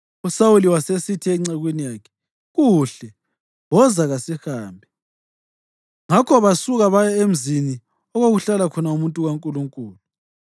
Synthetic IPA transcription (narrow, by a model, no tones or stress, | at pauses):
usawuliwasesitʰiɛŋ͡ǀaɣwenijaːkʰɛ̥ | ɣuɬɛ | wɔzaɣasihaːmbʱɛ | ŋakʰɔβasuɣaβajɔem̩zini | ɔɣoɣuɬalakʰɔnaumuntʼuɣaŋkʼuluŋkʼuːlu